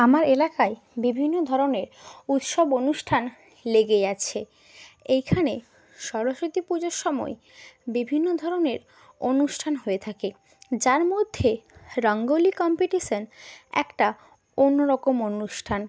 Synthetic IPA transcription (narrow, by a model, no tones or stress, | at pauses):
amaɾelakae | bibʱinːod̪ʱɔɾoneɾut̪ʃɔbonuʃʈʰan | leɡejat͡ɕʰe | ejkʰane | ʃɔɾoʃot̪ipud͡ʑoɾʃɔmɔ̰e | bibʱinːod̪ʱɔɾoneɾ | onuʃʈʰanɦoet̪ʰake | d͡ʑaɾmod̪ʱːeɾɔŋɡolikɔmpeʈiʃonɛ̰kʈa | onːoɾɔkomonuʃʈʰan